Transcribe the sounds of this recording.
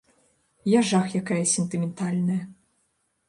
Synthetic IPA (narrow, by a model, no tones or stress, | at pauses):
jaʐaxjakajɐsʲɛnt̪ɨmʲɛnt̪alʲnɐjɐ